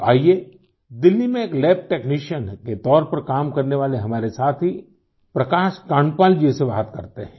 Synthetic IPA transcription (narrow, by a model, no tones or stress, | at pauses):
a̰ːieː | d̪ɪlːimẽeːklɛːp̚ʈeːkniːʃənket̪ɔːɾpɐɾkaːmkɐɾneʋaːleɦɐmaːɾesaːt̪ʰɦi | pɾɐkaːʃkaːɳpaːld͡ʒeseʋaːɦət̪kɐɾt̪eɦɛ̃ː